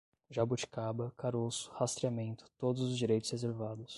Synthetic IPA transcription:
ʒabut͡ʃi̥kabɐkaɾosʊ̥hast̪ɾiamẽnt̪ʊ̥t̪od̪ʊzʊzd͡ʒiɾejt̪ʊ̥z̥hezeɾvad̪ʊs

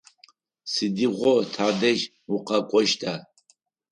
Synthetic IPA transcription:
sɨdiʁʷɔtʰaːdɐʒ | uqɐkʷʼɔʃtʰa

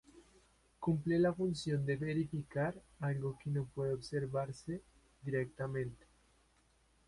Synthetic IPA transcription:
kumplelafunsjo̞nd̪eβeɾifikaɾ | alɡokenopweðeoβseɾβaɾse | d̪iɾek̚t̪amẽnt̪e̥

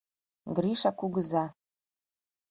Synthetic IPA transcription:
ɡriʂakʷʰuɡɨza

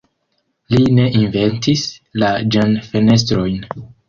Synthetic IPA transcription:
line̞ʔinve̞ntislad͡ʒanfe̞ne̞s̬tɾo̞jn

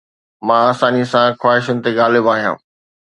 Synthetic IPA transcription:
mãaːsaːnisãxwaːɦɪʃənɪ̆t̪eɠaːlɪbaːɦijã̰ː

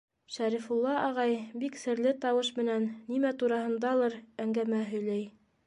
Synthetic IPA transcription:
ʃæɾifulˠːɑʔɑʁɑjbiksɘ̆ɾlɘt̪ɑwɤʃmɘ̆nænːimæt̪uɾɑhɤ̆nd̪ɑlˠɤɾæŋɡæmæɦɵ̆jlæj

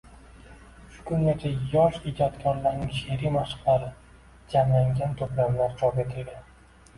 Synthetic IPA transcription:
ʃʊ̥kʰʊŋɡʲat͡ʃʰajɒʃɪd͡ʒat̪kʲʰɒɾlaɾnɪŋʃeɾimaʃɨ̥qlaɾɪ | d͡ʒamlaŋɡʲant̪ʰʊplamlaɾt͡ʃʰɒpe̞t̪ʰɪlɡʲan

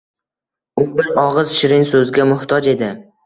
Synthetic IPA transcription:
ʊbɪɾɒʁɨzʃɪɾɪŋsɵzɡʲamʊht̪ʰɒd͡ʒe̞d̪ɪ

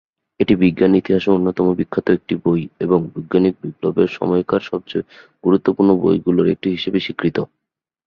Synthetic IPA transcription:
eʈibiɡːanit̪iɦaʃounːot̪ɔmobikʰːat̪oek̚ʈibojeboŋbiɡːanik̚biplobeɾʃɔ̰mɔjkʰaɾʃɔb̚t͡ɕe | ɡ̥uɾut̪ːopuɾnobo̰jɡuloɾek̚ʈiɦiʃebeʃikɾit̪o

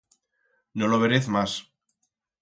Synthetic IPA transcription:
noloβ̞eɾeθmas

